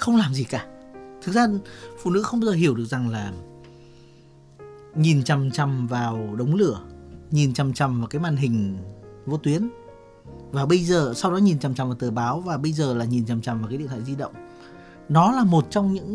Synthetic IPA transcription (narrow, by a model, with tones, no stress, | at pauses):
xə˧wŋ͡mlaː˨˩mzi˨˩kaː˧˩t̪ʰɨ˨˩k̚zaː˧fṵ˧˨nɨ̰˧˥xə˧wŋ͡mɓa˧wzəː˨˩i˧˩əwɗɨ˨˩ək̚za˨˩ŋlaː˨˩ | ɲi˨˩nt͡ɕa˨˩mt͡ɕa˧mvaː˨˩wɗə˨˦wŋ͡mlɨ˧˩əɲi˨˩nt͡ɕa˨˧˩mt͡ɕa˨˩mvaː˨˩kaː˨˦jmaː˧˨nɦï˨˩ŋ̟vṵ˧˥t̪wi˨˦ən | vaː˨˩ɓə˧jzəː˨˩sa˧wɗɔ˨˦ɲi˨˩nt͡ɕa˨˩mt͡ɕa˨˩mvaː˨˩t̪ɨː˨˩ɓaː˨˦wvaː˨˩ɓə˧jzəː˨˩laː˨˩ɲi˨˩nt͡ɕa˨˩mt͡ɕa˨˩mva˨˩kːaː˨˦ɗḭ˧˨a̰ː˧˨˧zi˧ɗə̰˧˨wŋ͡m | nɔ˨˦laː˨˩mo˨˩t̚t͡ɕɔ˧wŋ͡mɲɨ̰˧˥ŋ